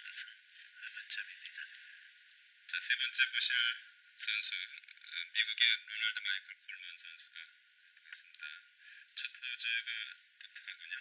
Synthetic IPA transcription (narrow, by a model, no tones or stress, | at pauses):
sʰɯn | ebʌnt͡ɕabimɲida | t͡ɕasʰe̞bʌnt͡ɕ͈eboɕʰɭ | sʰʌnsʰuɯmiɡuɡelonaɭdɯmaikʰɯɭpuɭmʌnsʰʌnsʰuɡa | tʰɯɡes͈ɯmɲida̰ | t͡ɕʰʌpʰod͡ʑeɡɯ | tʌk̚tʰɯ̥kʰak͈uɲa